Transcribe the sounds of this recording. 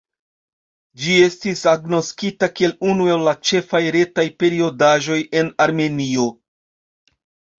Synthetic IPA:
d͡ʒie̞stisaɡno̞skitakie̞lunue̞lːat͡ʃe̞fajɾe̞tajpe̞ɾio̞daʒo̞je̞naɾme̞nio̞

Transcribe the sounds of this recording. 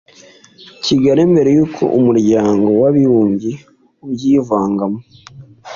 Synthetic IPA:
ciɡaɾembe̞ɾe̞juːkʰo̞̰ʔumuɾɟaːŋɡo̞waβiɾuːɲɟi | ubjiːvaːŋɡamo

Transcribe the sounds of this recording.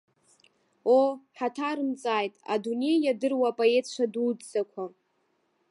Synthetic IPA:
oħatʰaɾɨmt͡sʼaːjtʼa̰dune̞jadɨrwaːpʼoe̞tʰʂʷʰadud͡zzakʷʰa

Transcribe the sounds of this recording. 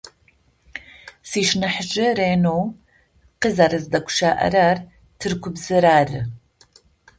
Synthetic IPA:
siːʃnɐħʒɨɾeːnoːw | qəzɐɾɨzdɐkʷʰʊ̥ʃaːʔɐ̰ɾaːr | tʰɨrkʷʰʊbzɨɾaːrɨ

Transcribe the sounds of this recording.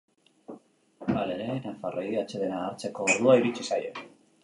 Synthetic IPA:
ale̞ɾe̞nafarʔojɣiat͡ʃe̞ðe̞naːɾt͡se̞ko̞ːɾð̞uaiɾit͡ʃisajo

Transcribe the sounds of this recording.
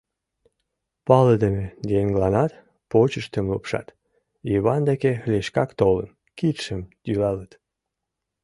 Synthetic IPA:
pɑləd̪emed̪eeŋɡlɑnɑt̪ | pot͡ɕəʃt̪əmlupʃɑ̰t̪ | iβɑnd̪ekelʲeʃkɑkt̪olə̰n | kit̪ʃəmd̪̥ylɑlət̪

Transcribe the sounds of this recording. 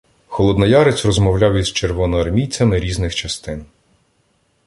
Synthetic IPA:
xɔlˠɔd̪nɐjɑɾet͡sʲrɔzmɔwlʲɑwizt͡ʃerʋɔnɔɐrmʲijt͡sʲɐmɪɾʲiznɪxt͡ʃɐst̪ɪn

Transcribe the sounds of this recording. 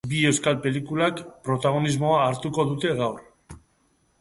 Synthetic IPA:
bie̞wskalpe̞likulakpɾo̞t̪aɣ̞o̞nizmo̞aːɾt̪uko̞ðut̪e̞ɣawɾ

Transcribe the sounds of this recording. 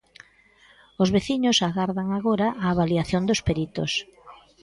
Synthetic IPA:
ʊzβeθiɲʊsaɣaɾðaŋaɣoɾaʔaːβaliaθjond̪ospeɾit̪o̰s

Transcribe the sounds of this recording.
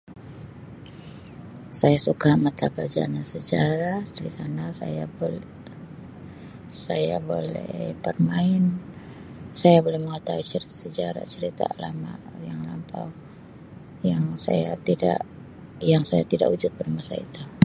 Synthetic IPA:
sajasukamat̪ablad͡ʒa̰nansəd͡ʒaɾadaɾisanasaja | saja̰bolɛ̰pərmaɪn | sajabolɛhməŋat̪auit͡ʃəɾsəd͡ʒaɾa̰t͡ʃəɾit̪a̰lama̰jaŋlampa̰w | jaŋsa̰jat̪ida̰ʔ | jaŋsajat̪ida̰ʔud͡ʒʊt̪̚bərmasa̰ḭt̪u

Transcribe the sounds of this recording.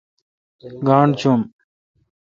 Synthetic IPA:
ɡaːɳɖt͡ɕʰum

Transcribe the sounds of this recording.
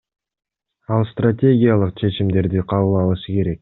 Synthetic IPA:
ɑlˠst̪ratʲe̞ɡʲijalˠəqt͡ʃʰe̞t͡ʃimd̪e̞ɾd̪iqʰɑβɯlˠɑlˠɯʃɯke̞ɾe̞k̚

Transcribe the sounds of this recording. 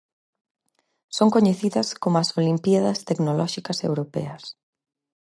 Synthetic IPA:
soŋkoɲeθiðɐskomʊɐsolimpiaðɐst̪eknolɔʃikɐsḛwɾopɛ̰ɐs

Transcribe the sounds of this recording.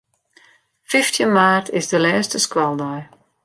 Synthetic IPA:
fɪftʰjənmaːrtʰɪzdəlɛːstəskwalˠdɔj

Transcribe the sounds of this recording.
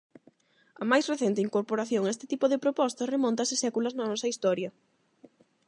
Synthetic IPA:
ɐmajsreθent̪ɪiŋkoɾpoɾaθjoŋest̪ɪ̥t̪ipoðɪpɾopɔst̪ɐsremɔ̃nt̪ɐsɪsɛkulɐznɐnɔsɐist̪ɔɾjɐ

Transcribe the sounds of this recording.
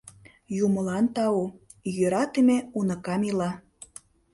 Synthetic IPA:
jumə̆lɑnt̪ɑu | jøɾɑt̪emeunɤ̆kɑmilɑ

